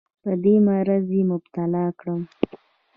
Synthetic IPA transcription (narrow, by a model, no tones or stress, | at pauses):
pəd̪emaɾazjemʊbt̪alɑkɽəm